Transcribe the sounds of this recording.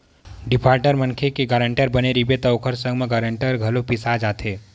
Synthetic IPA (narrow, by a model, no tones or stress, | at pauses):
ɖɪpʰaːɾʈəɾmə̃nkʰekiɡəɾə̃ɳʈəɾbəneɾibet̪ɐʊkʰəɾsə̃ŋɡmẽɡəɾə̃ɳʈəɾɡʱɐlopisad͡ʒaːt̪ʰeː